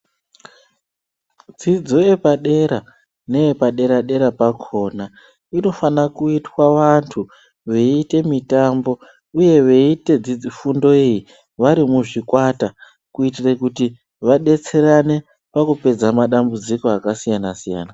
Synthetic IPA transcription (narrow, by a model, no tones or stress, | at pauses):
d͡zid͡zo̞epaɗe̞ɾa | ne̞epaɗe̞ɾaɗe̞ɾapakʰo̞ːna | ino̞fanakuitwaʋantʰu | ʋe̞ite̞mitambo̞ | uje̞ʋe̞ite̞d͡zid͡zifundo̞eji | ʋaɾimuʐikwata | kuitire̞kuti | ʋaɗe̞t͡se̞ɾane̞ | pakupe̞d͡zamaɗambud͡zikoakasijanasija̰ːna